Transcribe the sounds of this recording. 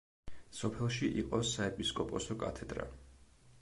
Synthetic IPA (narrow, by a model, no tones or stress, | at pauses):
sɔpʰɛlˠʃiʔiqʼɔsaɛpʼiskʼɔpʼɔsɔkʼa̰t̪ʰɛd̪ɾa̰